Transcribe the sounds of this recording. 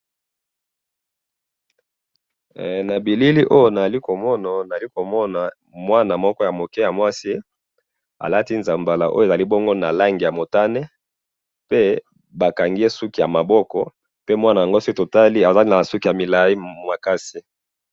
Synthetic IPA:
na˨bi˨li˦li˦ʔo˦jo˦na˨a˨li˦ko˨mɔ˦na˨na˨i˦ko˨mɔ˦na˨ | mwa˦na˨mɔ˦kɔ˦ja˨mo˨kɛ˦ja˨mwa˦si˦ | a̰˨la˦ti˦nza˨mba˨la˨ʔo̰˦je˨za˨li˦bɔ˦ŋɡo˦na˨la˦ŋɡi˨ja˨mo˨ta˦ne˦ | pe˦ | ba˨ka˨ŋɡi˦je˦su˦ki˨ja˨ma˨bɔ˦kɔ˨ | pe˦mwa˦na˨ja˨ŋɡo˦si˦to˨ta˦li˦a˨za˦li˦na˨su˦ki˨ja˨mi˨la˨ji˦ma˨ka˦si˦

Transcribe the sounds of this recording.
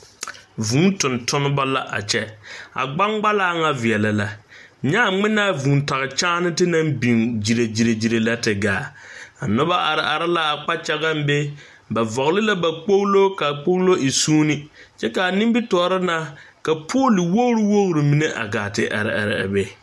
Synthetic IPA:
vũː˨˦n˦tʊ˨ntʰʊ˦nʊ˦ba˦la˦ʔa̰˨t͡ʃɛ˦a̰˨ɡ͡ba˦ŋɡ͡ba˦laː˦ŋa˦vɪ˨ɛ˨la˨la˨ɲa˦˨ŋ͡mɪ˦naː˦˨vũː˨nta˨ɣɪ˨t͡ʃaː˦nɪ˦tɪ˦na˦mbi˨ŋd͡ʒi˨ɾe˨d͡ʒi˨ɾe˨d͡ʒi˨ɾe˨la˦tɪ˨ɡaː˨a˨nʊ˦ba˦ʔa˨ɾɪ˨ʔa˨ɾɪ˦la˦a˨k͡pa˦t͡ʃa˦ɡa˦m˦be˦ | ba˨vɔ˨ɣlɪ˦la˦ba˨k͡po˦ɣlo˦ka˨k͡po˦ɣlo˦i˨suː˦nɪ˦ | t͡ʃɛ˦ka˨a˨nɪ˦m˦bi˦tɔː˨˦˨ɾɪ˦na˦ka˨pʰoː˦lɪ˨wo˦ɣɾɪ˦wo˦ɣʊ˨ɾɪ˨mi˨ne˦ʔa̰˨ɡaː˨tɪ˨ʔa̰˨ɾɪ˨a̰˨ɾɪ˨a̰˨be˦

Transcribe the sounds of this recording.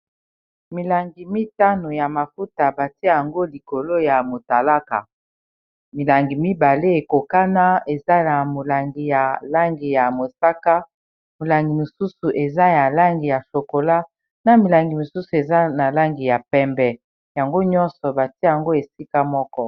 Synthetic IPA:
mi˨la˨ŋɡi˨mi˦ta˦no˨ja˨ma˨fu˦ta˨ba˨ti˦ja˨ŋɡo˦li˨ko˨lo˦ja˨mo˨ta˨la˦ka̰˨ | mi˨la˨ŋɡi˨mi˦ba˨le˦e˨ko˨ka˦na˦e˨za˦na˨mo˨la˨ŋɡi˨ja˨la˦ŋɡi˨ja˨mo˨sa˦ka˦ | mo˨la˨ŋɡi˨mo˨su˦su˨ʔe˨za˦ja˨la˦ŋɡi˨ja˨so˨ko˨la˦ | na˨mi˨la˨ŋɡi˨mo˨su˦su˨e˨za˦na˨la˦ŋɡi˨ja˨pɛ˦mbɛ˨ | ja˨ŋɡo˦ɲɔ˦nsɔ˨ba˨ti˦ja˨ŋɡo˦e˨si˦ka˦mɔ˦kɔ˦

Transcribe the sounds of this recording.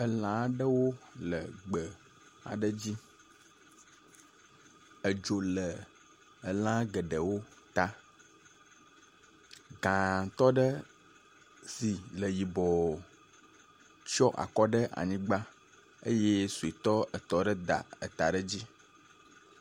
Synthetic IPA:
ə˨lã˨˦ɖə˦wo˦lə˨ɡ͡bə˨ | a̰˨ɖə˦d͡ʑi˦ | ə˨d͡ʒo˨lə˨ | ə˨lã˦ɡə˨ɖə˨wo˦t̪a˦ | ɡã˨t̪ɔ˦ɖə˦ | si˨lə˨ji˨bɔ˨ | t͡ʃɔ˦ʔa̰˨kɔ˦ɖə˦ʔa̰˨ɲĩ˦ɡ͡ba˦ | ə̰˦je˦su˨e˨t̪ɔ˦ə˨t̪ɔ˦ɖə˦d̪a̰˨ə˨t̪a˨ɖə˦d͡ʑi˦

